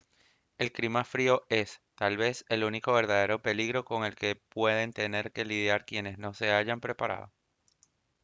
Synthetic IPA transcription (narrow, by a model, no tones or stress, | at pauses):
e̞lkɾimasfɾio̞ʔe̞st̪alβe̞se̞luniko̞β̞e̞ɾðað̞e̞ɾo̞pe̞liɣɾo̞ko̞ŋe̞lke̞pwe̞ð̞e̞nt̪e̞ne̞ɾke̞lið̞jaɾkje̞ne̞sno̞se̞aʝampɾe̞paɾa̰ð̞o̞